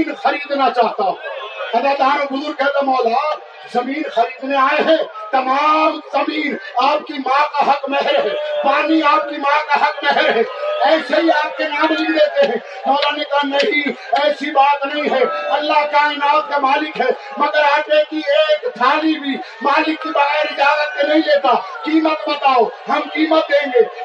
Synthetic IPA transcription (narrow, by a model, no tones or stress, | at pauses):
nxəɾiːd̪nat͡ʃaːɦt̪aɛ̃ɐɡəɾd̪ʱaːnoɡʊzuɾkəɦt̪amɔːla | zəmiːnxəɾiːd̪neaːeɦɛ̃t̪əmamzəmiːɾaːpkimãkaɦəkmɛɦəɾɦɛ̃paːniaːp̚kimãkaɦəkmɛɦəɾɦɛ̃ɛɪseɦiaːp̚kenaːɽlileːt̪eɦɛ̃ | mɔːlanekanɐi | ɛːsibaːt̪nɐɦĩɦɛɐlːaɦkaɪnaːt̪̚kamaːlɪkɦɛ | məɡəɾaːʈekieːkt̪ʰaːlibʱi | maːlɪkːibəɣɛɾɪd͡ʒaːɡət̪̚kenɐɦĩleːt̪akiːmət̪bət̪aːoɦəmkiːmət̪̚d̪ẽːŋɡeː